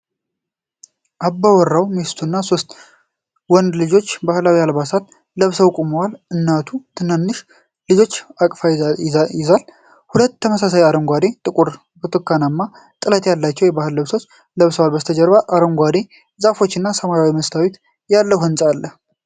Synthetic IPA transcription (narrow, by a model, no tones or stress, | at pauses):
ʔabːawɔrːawmest̪ʰunːaso̞st̪ʼ | wɔnd̪lɨd͡ʒo̞t͡ʃːbahlawihalbasat̪̚ | ləβsəwkʼuməwalɨnːat̪ʰut̪ʰɨnənːɨʃ | lɨd͡ʒo̞t͡ʃːakʼfajɪzal | hulət̪ːʰəməsasajaɾəŋɡʷad̪e̞t̪ʼɨkʼuɾ | bɨt̪ʰʼɨkːanamːa | t̪ʼɨlət̪jalːat͡ʃːɛwjɛbahɨlːəβso̞t͡ʃː | ləβsəwalbəst̪ʰəd͡ʒəɾβaʔaɾəŋɡʷad̪e̞ | zafo̞t͡ʃːɨnːasəmajawiməst̪ʰawet̪ | jalːəwhɨnsʼalːəh